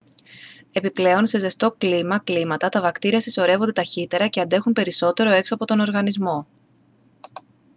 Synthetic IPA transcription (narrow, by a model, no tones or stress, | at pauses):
e̞piple̞o̞nse̞ze̞st̪o̞klimɐklimɐt̪ɐt̪ɐvɐkt̪iɾiɐsi̥so̞ɾe̞vo̞nd̪et̪ɐçit̪e̞ɾɐce̞ɐnd̪e̞xunpe̞ɾiso̞t̪e̞ɾo̞e̞ksoɐpo̞t̪o̞no̞ɾɣɐnizmo̞